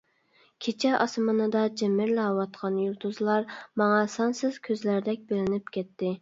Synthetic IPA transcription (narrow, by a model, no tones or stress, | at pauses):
kʲʰet͡ʃʰɛʔɑsmɨnɨd̪ɑd͡ʒemːɪɾlɛwɑt̪qʰɑnjut̪ʰuzlˠɑɾmɑŋɑsɑnsɨz̥kʲʰøzlæɾd̪ɛk̚ʲbelɪnɪpkʲʰɛt̪ːɪ